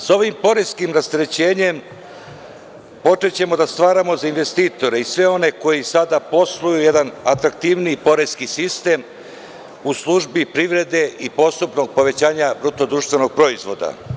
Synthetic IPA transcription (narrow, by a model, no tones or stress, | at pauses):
so̞ʋimpo̞ɾeskimɾast̪eɾe̞t͡ɕe̞ːɲe̞m | po̞t͡ʂet͡ɕe̞mo̞d̪ast̪ʋaːɾamo̞zainʋe̞st̪iːt̪o̞ɾe̞isʋe̞o̞ne̞ko̞jisad̪apo̞slˠujujed̪anat̪ɾakt̪iʋnipo̞ɾeskisist̪e̞m | uslˠuʒbipɾiʋɾe̞d̪e̞ipo̞st̪upno̞ɡ̚po̞ʋe̞t͡ɕaːɲabɾut̪od̪ɾuːʃt̪vʋe̞no̞ɡ̥̚pɾo̞izʋo̞d̪a̰